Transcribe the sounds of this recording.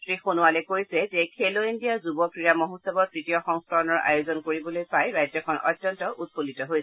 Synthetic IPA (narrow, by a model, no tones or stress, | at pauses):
tɹixonuwalɛkojsɛzɛkʰeloindijaɹzubɔpɹiɹamɔɦusɔbɔɹtɹitijɔxɔŋskɔɹɔnɔɹa̰jozɔnkoɹibɔlojpajɹajzɔkʰɔnʔɔ̰tːjɔntɔʔut̚politɔɦojsɛ̥